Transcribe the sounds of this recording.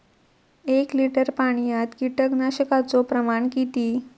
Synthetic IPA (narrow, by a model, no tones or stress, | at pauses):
ekliʈəɾpaɽ̃ijat̪kiʈəɡnaɕəkat͡sopɾəmaɳkit̪iː